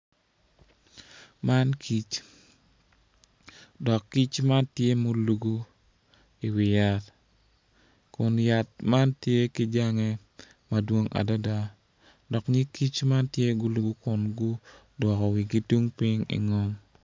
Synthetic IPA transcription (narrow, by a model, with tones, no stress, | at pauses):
ma˦nkʰi˦t͡ʃ | dɔ˨kːi˦t͡ʃma˦tje˦mo˦lu˨ɡu˦ | i˨wɪ˨ja˦t | kʊ˨nja˨t̚ma˦ntje˦ki˦d͡ʒa˦ŋe˦ | ma˨dwo˦ŋʔa̰˨da˦da˦ | dɔ˨kɲɪ˦ki˦t͡ʃma˦ntje˦ɡʊ˦lu˨ɡu˦kʊ˨nɡʊ˦ | dwɔ˨kɔ˨wi˨ɡi˦tu˦ŋpɪ˦ŋḭ˨ŋɔ˦m